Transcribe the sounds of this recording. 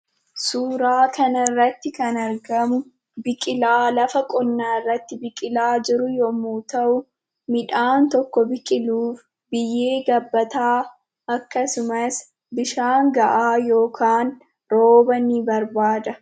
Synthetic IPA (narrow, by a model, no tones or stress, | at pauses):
suːɾaːkɐnɐrːɐt̪ːɪkɐnɐɾɡɐmʊ | bɪkʼɪlaːlɐfɐkʼɔnːaːɪrːɐt̪ːɪbɪkʼɪlaːd͡ʒɪɾʊjɔmuːt̪ɐʔʊ | mɪᶑaːnt̪ɔkːɔbɪkʼɪluːf | bɪjːe̞ːɡɐbːɐt̪aː | ʔɐkːɐsʊmɐs | bɪʃaːŋɡɐʔaːjo̞ːkʰaːn | ɾoːbɐnɪbɐɾbaːd̪ɐ